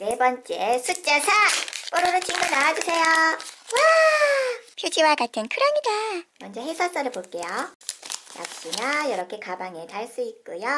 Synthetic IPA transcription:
ne̞bʌnt͡ɕ͈esʰut͡ɕ͈asʰap͈ʌɾɯɾot͡ɕʰiŋɡonaad͡ʑusʰe̞jowa | pʰjod͡ʑiwakatʰɯnkʰɯɾʌŋidamʌnd͡ʑʌɦesʰas͈ʌɾɯɭpoɭk͈e̞jo | ja̰k̚ɕ͈inajʌɾʌkʰe̞kabaŋe̞taɭs͈uik̚k͈ujo

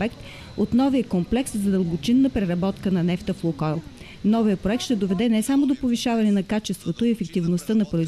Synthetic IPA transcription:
ɛkt̪ | ot̪nɔvijəkomplɛkszɐd̪əlˠbot͡ʃinːəpɾɛɾɐbɔt̪kənɐnɛft̪əflˠokɔjlˠ | nɔvijəpɾoɛk̚t̪ʃt̪ɛd̪ovɛd̪ɛnɛsamod̪opoviʃavɐnɛnɐkat͡ʃɛst̪vot̪oiɛfɛk̚t̪ivnost̪ənɐpɾoiz

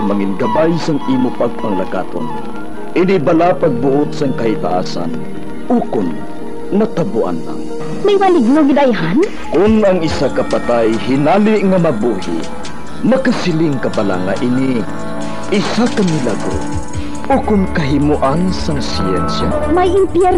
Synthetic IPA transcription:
maŋinɡɐbajsaŋʔimʊpaɡ̚paŋlaka̰t̪o̰n | ʔɪnibalapaɡ̚bʊʔʊt̪saŋkɐhit̪a̰ʔa̰ːsa̰n | ʊkʊn | mat̪abʊʔa̰nla̰ŋ | majmalɪɡ̚noɡɪd̪ajɦan | kʊnɐŋɪsakɐpat̪ajhɪnaliʔŋamɐbuhḭ | mɐkasɪlɪŋkɐbala̰ŋaʔini | ɪsakamilaɡɾo̰ | ʔʊkʊnkɐɦɪmuʔansaŋsiɛ̰nsja̰ | majɪmpjɛɾ

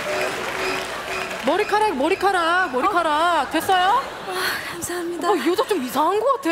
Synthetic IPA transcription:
mʌɾikʰaɾakmʌɾikʰaɾamʌɾikʰaɾatwe̞s͈ʌjo | iod͡ʑat͡ɕ͈omisʰaŋɦaŋɡoɡatʰe

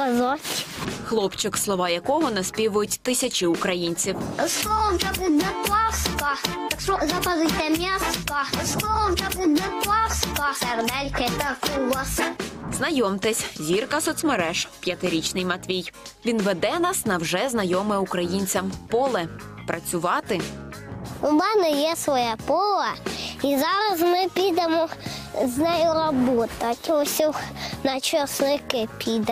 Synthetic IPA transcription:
kɐzɔsʲxlˠɔpt͡ʃɪkslˠɔʋɑjɐkɔɦɔnɐspʲiʋʊjʊtʲt̪ɪsʲɐt͡ʃɪʊkɾɐjinʲt͡sʲiwsˠɔʋɔmt͡ʃɔbɪnɛplˠɑskɐt̪ɐkʃɔzɐkɐzɪjt̪ɛmʲaskɐsk̪ˠɔʋɔmt͡ʃɔbɪnɛp̪ˠɑskɔsɛɾd̪ɛlʲkɛt̪ɐkulˠɔsznɐjɔmt̪ɪsʲzʲirkɐsɔt̪smeɾɛʃpʲjɐt̪ɪɾʲit͡ʃnɪjmɐt̪ʲʋʲijʋʲinʋɛd̪ɛnɑsnɐwʒɛznɐjɔmɛukɾɐjinʲt͡sʲɐmpɔlˠɛ | pɾʔɐt͡sʲʊʋɑt̪ɪ | ʊmɛnɛjɛsʋɔjapɔlˠɐizɑɾɐzmɪpʲid̪emɔznɛjʊɾɔbɔt̪ɐtʲɔsʲuxnɐt͡ʃɔsnɪkɪpʲid̪ɛ

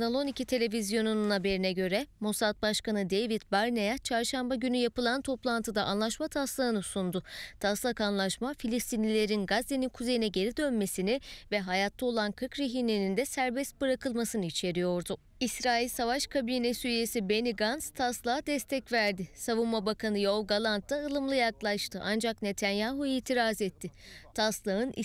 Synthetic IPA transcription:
nalˠo̞nicit̪ʰe̞lʲe̞vizjo̞nununhabe̞ɾinɛɟø̞ɾɛmosat̪̚baʃkanɯd̪e̞jvit̪̚baɾnejat͡ʃʰaɾʃambaɟynyjapɯlˠant̪ʰo̞plˠant̪ʰɯd̪aʔanlˠaʃmat̪ʰaslˠaɯnɯsund̪ʊt̪ʰaslˠakanlˠaʃmafilʲist̪ʰinlʲilʲe̞ɾinɡazd̪eninkʰuze̞jinɛɟe̞ɾid̪ø̞nme̞sinivɛɦajat̪ʰːao̞lˠankʰɯɾkɾeɦinenind̪ɛsæɾbɛst̪̚bɯɾakɯlˠmasɯnɯit͡ʃʰe̞ɾijo̞ɾd̪ʊ | isɾaːilʲsavaʃkʰabiːnesyjje̞sibe̞niɡanst̪ʰaslˠaɦad̪ɛst̪ʰɛcvæɾd̪ɪsavunmabakʰanɯjoɡalˠant̪ːaɯlˠɯmlˠɯjaklˠaʃt̪ʰɯʔand͡ʒakne̞t̪ʰænjaːɦuiːt̪ʰiɾaːzɛt̪ʰːɪt̪ʰaslˠaɦɯn̰

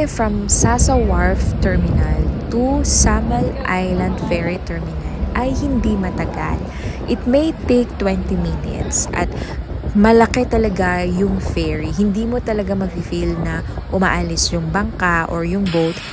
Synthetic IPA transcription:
fɹɐmsasɐwaɹft̪ɛɹmɪnɐlt̪usamɐlʔajlɐ̃nd̪fɛɹit̪ɛɹmɪnɐlʔɐjhɪnd̪imɐt̪ɐɡa̰l | ʔɪt̪̚mejt̪ejk̚t̪wɛnt̪iminɪ̰t̪sʔɐ̰t̪̚ | mɐlɐkɛt̪ɐlɐɡajʊŋfɛɹiɦɪnd̪iːmot̪ɐlɐɡamɐɡ̚fifilnɐʔʊma̰ʔalɪsjʊŋbɐŋkaʔoɹjʊŋbowt̪

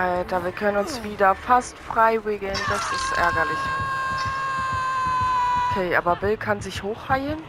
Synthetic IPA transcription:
ʔaltɐviːɐkʰœnənʊnsv̥iːdɐfastfʁ̥aɪvɪːɡl̩ndasɪstʔɛ̰ɐɡɐlɪç | ʔokʰɛːʔa̰ːbɐbɪlkʰanzɪçhoːxhaɪən

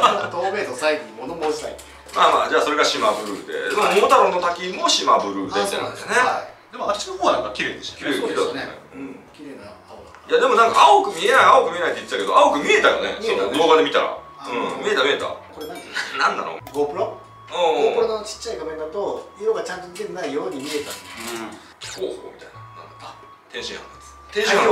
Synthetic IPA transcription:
t̪oːmezosaiɡoɲimonomoːɕi̥t̪ai | maːmaːd͡ʑaːso̞ɾe̞ɡaɕimabɯ̟ɾɯ̟d̪e̞̰d̪emomot̪aɾonːot̪akʲimo̞ɕimabɯ̟ɾɯ̟ːd̪eit̪ːenã̰nd̪esne̞d̪e̞moat̪ːɕinoɦoːβanãŋkakʲiɾed̪et̪kienḛɯ̃kʲiɾe̞ːnao | jad̪e̞mo̞nãŋka̰ʔaokɯ̟mʲie̞naiaokɯ̟mʲie̞nait̪oit̪e̥t̪ake̞d̪o̞ʔaokɯ̟mʲie̞t̪ajo̰nḛod̪o̞ːɡad̪e̞mʲit̪a̰ɾa̰ | ɯ̃mʲie̞t̪amʲie̞t̪a̰koɾenãnnãnːa̰no̰ɡopɯ̟ɾo | õːpɯɾonot͡ɕi̥t͡ɕːaiɡamend̪at̪oiɾoɡat͡ɕãnt̪oɲit̪eɾenaijoːɲ̟imʲie̞t̪at̪ | koːhoːmit̪ainanã̰nd̪at̪ːa | t̪ẽɕĩha̰nd̪e̥ | t̪ẽɕĩ

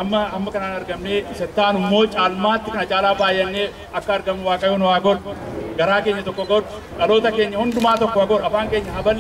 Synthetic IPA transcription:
ʔɐmːɐɐmːɐkɐnaːnɐɾɡɐmneːɪsɛt̪ːaːnɪmːo̞ːt͡ʃʼaːlmaːt̪ːɪkɐnɐt͡ʃʼaːlaːbaːjːɐnːeː | ɐkːɐːɾɡɐmːʊwaːkʼɐjʊnwaːɡɔrɡɐɾaːkeːɲːɐt̪ɔkːɔɡɔrʊ | kʼɐloːt̪ɐke̞ːɲːɐhʊnd̪ʊmaːt̪ɔkːɔhɐɡɔɾɐfaːŋke̞ːɲːɐɦɐbɐlː

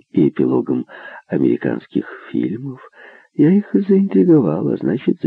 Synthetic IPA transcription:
iɪpʲɪlˠo̞ɡəmɐmʲɪɾʲɪka̰nskʲɪxfʲḭlʲməf | jaixzəɪnʲt̪ʲɾʲɪɡɐvalˠɐ̰znat͡ɕɪt̪z̥

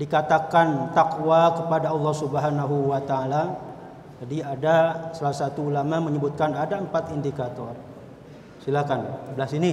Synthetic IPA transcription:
dikat̪akant̪akwakəpadaɑlˠːɑhsubəɦanaɦuwat̪aːla | d͡ʒadiadasalasat̪uːulamaməɲəbut̪̚kanadaəmpat̪indikat̪ɔr | silakanblasini

